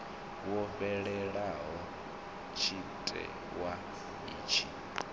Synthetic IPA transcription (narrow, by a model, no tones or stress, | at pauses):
wɔɸɛɺɛɺaɦɔ | t͡ʃʰitʼɛ̰ | wa | βiːt͡ʃʰi